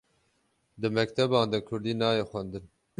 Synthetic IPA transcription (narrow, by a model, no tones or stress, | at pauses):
d̪ɨmɛkt̪ʰɛbɑːnd̪akʰʊɾd̪iːnɑːjeːxʷænd̪ɨn